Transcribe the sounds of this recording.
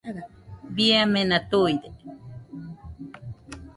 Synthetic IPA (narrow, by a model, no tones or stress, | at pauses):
biamenat̪ujd̪e